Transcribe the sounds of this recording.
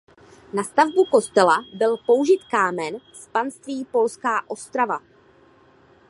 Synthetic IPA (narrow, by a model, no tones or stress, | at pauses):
nast̪avbuko̞st̪ɛlabɪlpo̞uʒɪt̪kaːmɛnspanst̪viːpo̞lskaːʔo̞st̪ɾava